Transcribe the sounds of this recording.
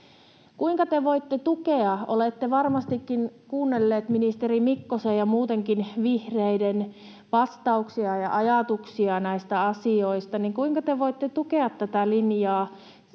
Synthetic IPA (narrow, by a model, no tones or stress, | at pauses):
kuiŋkɑt̪eʋoit̪ːet̪ukeɑʔolet̪ːeʋɑrmɑst̪ikːinkuːnːelːeːt̪minist̪erimikːosejjɑmuːt̪eŋkinʋihreiden | pɑst̪ɑuksiɑjɑ̰ʔɑjɑt̪uksiɑnæist̪æɑsioist̪ɑniŋkuiŋkɑt̪eʋoit̪ːet̪ukeɑt̪ːæt̪ælinjɑː